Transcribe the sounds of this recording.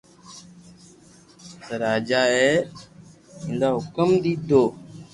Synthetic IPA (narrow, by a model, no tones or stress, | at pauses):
səɾaːd͡ʒaːeː | ɪ̃nd̪aːɦʊkəmd̪iːd̪ʱoː